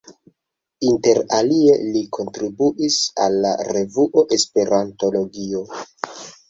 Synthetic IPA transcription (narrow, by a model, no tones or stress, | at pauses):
inte̞ɾalie̞likʰo̞ntɾibuʔisalːa̰ɾe̞vuʔo̞ʔe̞spe̞ɾanto̞lo̞ɡio̞